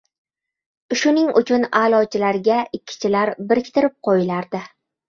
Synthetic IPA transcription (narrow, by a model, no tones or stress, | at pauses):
ʃʊnɪŋʊ̰t͡ʃʰʊnalˠɒt͡ʃʰɪlaɾɡʲaɪkʲʰːɪ̥t͡ʃʰɪlaɾbɪɾɪkʲt̪ʰɪɾɪp̚qʰojɪlaɾd̪ɪ